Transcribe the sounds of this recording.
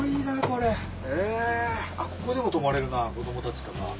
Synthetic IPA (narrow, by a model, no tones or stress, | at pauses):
iːnako̞ɾe̞ | eːako̞ko̞d̪e̞mo̞t̪o̞maɾe̞ɾɯ̟nako̞d̪o̞mo̞t̪at͡ɕi̥t̪ana̰